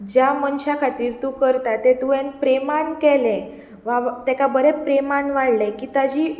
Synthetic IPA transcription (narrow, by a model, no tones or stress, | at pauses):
d͡ʑjamənɕakʰat̪iːɾt̪ũkəɾt̪at̪ːet̪uẽnpɾemankɛlɛ̃ | ʋat̪ɛkabəɾɛpɾemanʋaɽlɛkit̪ad͡ʑiː